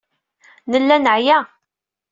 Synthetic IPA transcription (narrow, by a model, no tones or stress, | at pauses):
nəlːænəʕjæ